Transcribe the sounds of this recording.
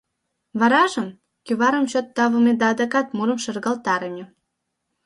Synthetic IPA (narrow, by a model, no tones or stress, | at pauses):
βɑɾɑʒə̆m | kyβɑɾəmɕot̪ːɑβə̆med̪ɑːd̪ɑkɑt̪muɾə̆mʃɤrɣɑlt̪ɑɾəmʲe